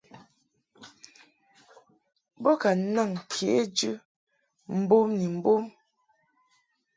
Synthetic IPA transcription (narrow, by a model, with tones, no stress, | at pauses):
bɔ˦ka˨˦na˦˨ŋkʰe˨˦d͡ʒʉ˦ | m̩˦bo˦mni˨m̩˦bo˦m